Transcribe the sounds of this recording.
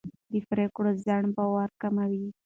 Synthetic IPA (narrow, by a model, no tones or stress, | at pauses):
d̪əfɾekɽozaɳbawɑɾkamawi